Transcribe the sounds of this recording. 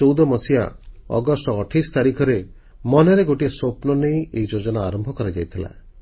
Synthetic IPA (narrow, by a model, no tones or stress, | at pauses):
owd̪ɔmɔsija̰ɔ̰ɡɔsʈɔɔʈʰist̪aɾikʰɔɾe | mɔneɾeɡoʈiesopnɔnejeid͡ʒod͡ʒɔnaːɾɔmbʱɔkɔɾad͡ʒajt̪ʰila̰